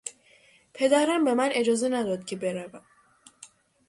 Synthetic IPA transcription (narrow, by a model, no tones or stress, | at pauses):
pʰe̞d̪æɾæmbe̞mænʔe̞d͡ʒɒːze̞næd̪ɒd̪cʰebe̞ɾævæm